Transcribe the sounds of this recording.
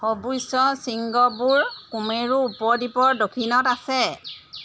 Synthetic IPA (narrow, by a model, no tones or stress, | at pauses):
xobujsɔsiŋɡɔbuɹkumeɹuːpɔɹdipɔɹdokʰinɔtasɛ